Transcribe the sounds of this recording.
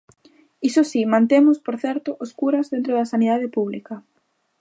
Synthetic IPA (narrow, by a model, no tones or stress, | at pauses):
isosimãnt̪emʊspoɾθɛɾt̪oʔoskuɾɐzðent̪ɾoðɐsaniðaðɪpuβlikɐ